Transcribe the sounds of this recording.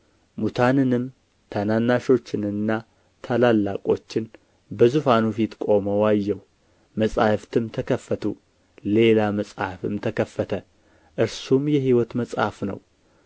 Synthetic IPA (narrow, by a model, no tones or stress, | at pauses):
mut̪ʰanɨnɨm | t̪ʰananːaʃo̞t͡ʃːɪnɨnːa | t̪ʰalalːa̰kʼo̞t͡ʃːɪn | bəzufanufit̪kʼo̞məwajːɛw | məsʼa̰hft̪ʰɨmt̪ʰəkʰəfːət̪ʰṵ | le̞laməsʼa̰fɨ̰mt̪ʰəkʰəfːət̪ʰə | ʔɨɾsumjɛɦiwɔt̪məsʼha̰fnə̰w